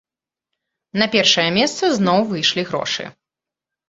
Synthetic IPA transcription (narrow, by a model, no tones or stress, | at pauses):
nɐpʲɛrʂɐjɐmʲɛst̪sɐznɔwvɨjʂlʲiɣɾɔ̰ʂɨ̰